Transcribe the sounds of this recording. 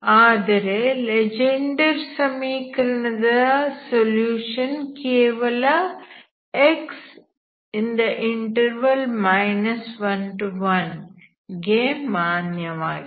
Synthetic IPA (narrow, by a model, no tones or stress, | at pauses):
aːd̪ɐɾeled͡ʒeɳɖɐɾsɐmiːkːɐɾuɳɐðɨsoljuːʂɐnkeːʋɐlɐ | eks | ind̪ɐʔiɳʈɐɾʋɐlmɐjnɐsʋɐnʈuʋɐn | ɡeːmːaːnjɐʋaːɡi